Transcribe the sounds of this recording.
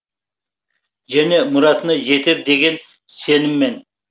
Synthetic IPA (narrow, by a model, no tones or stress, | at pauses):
ʒæne̞mʊɾɑt̪nəje̞t̪ɪpd̪eɡʲe̞n | senɪmːe̞n